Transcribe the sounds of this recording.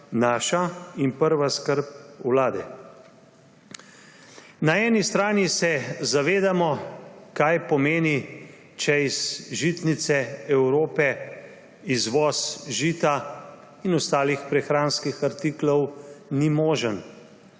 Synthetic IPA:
naːʃainpəɾʋaskəɾp̚wlaːd̪ɛ̰ | naɛːnist̪ɾaːnisɛzaʋeːd̪amɔkajpɔmeːni | t͡ʃɛizʒit̪nit̪sɛɛwɾoːpɛ | izʋɔːsʒiːt̪a | inɔst̪aːlixpɾɛxɾaːnskixaɾt̪iklɔwnimɔːʒən

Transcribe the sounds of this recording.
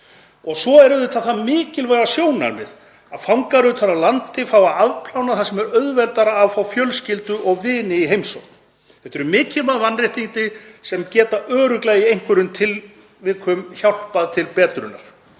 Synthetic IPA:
ɔɣsɔɛɾðʏt̪ʰaθamɪːcɪlvaɣasjoːwna̰ɾmɪ̰ð | aðfawŋkaɾʏt̪ʰanalant̪ɪfaːwaðaðpʰl̥awnaθasɛmɛɾœɥðvɛlt̪aɾaːvfawfjœlscɪlt̪ʏʔɔɣvɪːnɪiɦejmso̰whkn̥ | θɛ̥t̪ɛɾʏmɪːcɪlmaðvanrɪjht̪int̪ɪsɛmcɛːt̪aʔœːɾʏklɛɣiejŋ̥kʰvɛɾʏnt̪ʰɪl | vɪðkʰvʏmçawl̥paðt̪ʰɪlpɛːt̪ɾʏ̰na̰ɾ̥

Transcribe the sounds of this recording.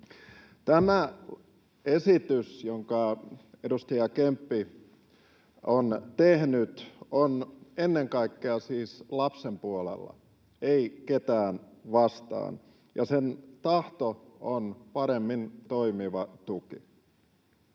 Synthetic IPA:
t̪æmæ | esit̪ysjoŋkɑedust̪ɑjɑkempːi | ont̪ehnyt̪onenːeŋkɑikːeɑsiːslɑpsempuolḛlːɑ̰ | eiket̪æːnʋɑst̪ɑ̰ːn | jɑ̰sent̪ɑht̪oonpɑɾemːint̪oimiʋɑt̪uki

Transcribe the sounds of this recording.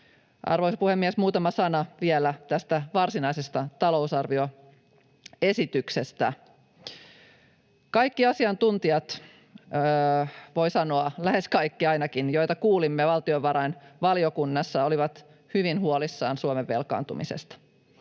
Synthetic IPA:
ʔɑ̰rʋojsɑpuhemːiesmuːt̪ɑmɑsɑnɑʋielæt̪æst̪æʋɑrsinɑisest̪ɑt̪ɑlo̞usɑrʋio̞ | e̞sit̪ykse̞st̪æ | kɑjkːiɑsiɑnt̪unt̪iɑt̪ː | ʋo̞jsɑnoɑlæhe̞skɑjkːiɑjnɑkinjojt̪ɑkuːlimːeʋɑlt̪io̞ʋʋɑɾɑjnʋɑliokunːɑsːɑoliʋɑt̪ | hyʋinɦuolisːɑːnsuomeʋːe̞lkɑ̰ːnt̪ṵmḭsḛst̪ɑ̥

